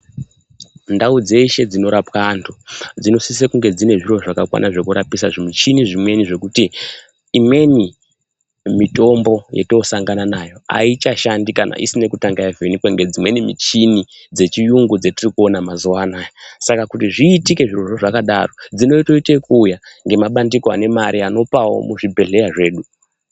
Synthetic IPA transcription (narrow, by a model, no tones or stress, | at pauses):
ndaud͡ze̞iʃe̞d͡zino̞ɾapwantʰud͡zino̞sis̬ekuŋɡe̞d͡zine̞ʐiro̞ʐakakwa̰nʔaʐe̞kuɾapisaʐimut͡ʃiniʐimwe̞niʐe̞kutiː | mwe̞ni | mito̞mbo̞jḛtosaŋɡananajo̞a̰it͡ʃaʃandikana̰ʔḭsine̞kutaŋɡajavenikweŋɡe̞d͡zimwe̞nimḭt͡ʃini | d͡ze̞t͡ʃijuŋɡud͡zetirikuo̞namazuwanajasakakutiʐiːtike̞ʐiro̞ʐoʐakaɗaro̞d͡zino̞ito̞itekuːjaŋɡe̞maɓandikoa̰ne̞maɾʔiano̞pawo̞̰muʐibʱe̞ɮe̞jaʐe̞ːɗu